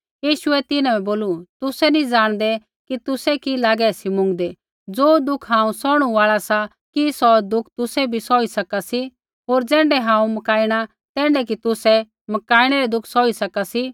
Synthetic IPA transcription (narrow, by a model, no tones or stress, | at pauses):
jiːʃʊɛt̪ɪnãɛboːlut̪ʊsɛnĩd͡zaːɽ̃d̪ɛ | kit̪ʊsɛkilaːɡɛsimʊ̃ŋɡd̪e | d͡zoːd̪ʊkʰɦãːũsɔːɽ̃uʋaːɭasa | kisɔd̪ʊkʰt̪ʊsɛbʱisɔːisɐkasi | ɦoːɾd͡zɛ̃ːɳɖɛɦãːũmɐkaːiɽ̃a | t̪ɛ̃ːɳɖɛk̬it̪ʊsɛ | mɐkaːiɽ̃ɛɾɛd̪ʊkʰsɔːisɐkasi